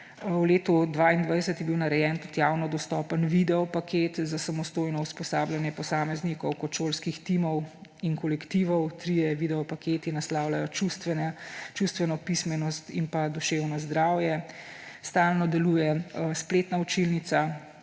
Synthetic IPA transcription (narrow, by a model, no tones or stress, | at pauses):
wleːt̪ɔd̪ʋaːind̪ʋajsət̪jɛbiwnaɾɛjɛːnt̪ut̪jaːwnɔd̪ɔst̪ɔːpənʋid̪ɛɔpakʰeːt̪zasamɔst̪oːjnɔuspɔsaːbljanjɛpɔsaːmɛznikɔwkɔt̪ʃolskixt̪imɔwiŋkɔlɛkt̪iʋɔwt̪ɾijɛʋid̪ɛɔpakeːt̪inaslaːwlajɔt͡ʃust̪ʋɛnɛt͡ʃust̪ʋɛnɔpismɛnɔst̪impad̪ɔʃeːwnɔzd̪ɾaːwjɛ | st̪aːlnɔd̪ɛluːjɛspleːt̪naut͡ʃilnit̪sa